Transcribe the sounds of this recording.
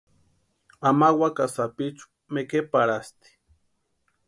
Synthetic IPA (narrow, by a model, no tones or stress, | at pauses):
amawakasapit͡ʃu̥ | mekepaɾast̪i̥